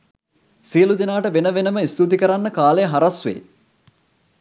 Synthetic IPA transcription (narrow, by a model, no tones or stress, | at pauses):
sijəlud̪inaːʈəʋenəʋenəməist̪ut̪̬ikəɾanːəkaːlejəɦaɾasʋḛː